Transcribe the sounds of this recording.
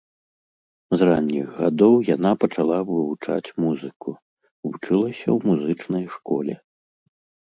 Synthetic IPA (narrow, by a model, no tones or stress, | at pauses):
zranʲːiɣɣad̪ɔwjanapɐt͡ʂalˠavɨvut͡ʂa̰t͡sʲmuzɨku | vut͡ʂɨlˠɐsʲɐ̰wmuzɨt͡ʂnɐjʂkɔ̰lʲɛ̰